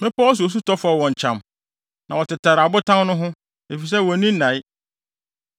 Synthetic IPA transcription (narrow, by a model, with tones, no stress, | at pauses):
mɛ̃˦pɔ˦ɔ˦s̬u˨o˨s̬u˦tʰɔ˦fa˨wɔ̃˨ɲ˨t͡ɕʰã˨m | nã˨wɔ˨tɪ˨tʰa˨ɾa˨bʊ˦tʰã˦nʊ̃˦ɦʊ̃˦ | e˨fi˨s̬ɛ˦wɔ̃˨nĩ˦nã˨˦ɪ˦